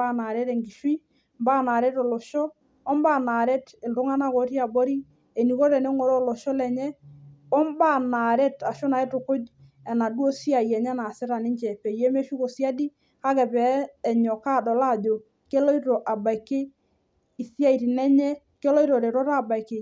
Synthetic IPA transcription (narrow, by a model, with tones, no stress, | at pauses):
a˦na˨ɾɛ˦tɛ˨ŋɡi˨ʃwi˦ | mba˦˨na˨ɾɛ˦to˨lo˨ʃɔː˦ | mba˦˨na˨ɾɛ˦te˨ldʊ˨˦ŋa˦na˦˨ko˨˦ti˦a˨bo˦ɾi˦ | e˨ni˨ko˦ɾɛ˨ne˦ŋo˨ɾɔ˦˨lo˨ʃɔ˦lɛ˨ɲɛ˦ɔ˦mba˦na˨ɾɛ˦ta˨ʃo˦na˨ɛ˦to˨kʊ˦d͡ʒ | ɛ˨na˨dwo˦si˦a˨jɛ˨ɲɛ˦na˨sɪ˦ɾa˨nɪ˦ɲt͡ʃɛ˨pɛ˨jɛ˦me˦ʃu˦ko˨sja˦di˦ | ka˦kɛ˨pɛː˨˦˨ɲɔ˨ka˦˨dɔ˨la˦˨d͡ʒo˨ | ke˦lɔ˦i˦to˨ʔa˨ba˨i˨ke˦ | i˨sja˦i˨ɾi˨nɛ˦ɲɛ˦ | ke˦lɔ˦i˦ɾɔ˨ɾe˨ɾɔ˦ɾa˦˨ba˨i˨ke˨